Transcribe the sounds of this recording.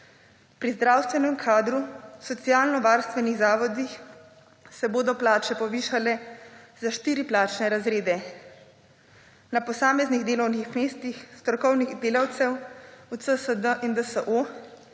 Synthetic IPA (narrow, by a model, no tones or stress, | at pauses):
pɾizd̪ɾaːwst̪ʋɛnɛmkʰaːd̪ɾusɔt̪sijaːlnɔʋaːɾst̪ʋɛniɣzaːʋɔd̪ix | sɛboːd̪ɔplaːt͡ʃɛpɔʋiːʃalɛzaʃt̪iːɾiplaːt͡ʃnɛɾazɾeːd̪ɛ | napɔsaːmɛzniɣd̪eːlɔwnixmeːst̪ixst̪ɾɔkɔwnixd̪eːlawt̪sɛwut̪səsəd̪əʔind̪əsəʔo